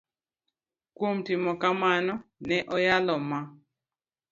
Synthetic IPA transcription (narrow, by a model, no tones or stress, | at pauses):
kwomtɪmɔkamanɔnɛʔɔjalɔma